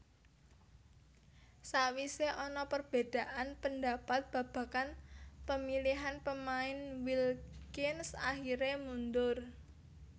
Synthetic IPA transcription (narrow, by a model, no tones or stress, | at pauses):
sawiseʔɔnɔpərb̥e̤d̪̥a̤ʔanpənd̪a̤pat̪̚b̥ä̤b̥ä̤kanpəmiliɦanpəmaɪnwilkɪnsa̰hiɾemund̪ʊr